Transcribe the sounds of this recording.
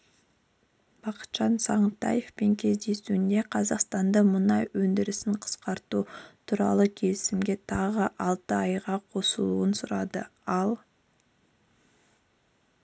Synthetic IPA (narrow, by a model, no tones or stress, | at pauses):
b̥ɑqə̥t̪ʒɑnsɑɴt̪ːɑ̰jefpe̞ŋkʲʰe̞zd̪e̞suɪnd̪e̞qʰɑzɑqst̪ɑnd̪əmʊnɑjwɵnd̪ɪɾɪsɪɴqʰə̥sqɑɾt̪ut̪ʰuɾɑ̰lˠəkʲʰe̞lɪsɪmɡʲe̞t̪ʰɑʁəʔɑlˠt̪əɑjʁɑqʰo̞səlˠṵənsʊɾɑd̪ə̰ɑlˠ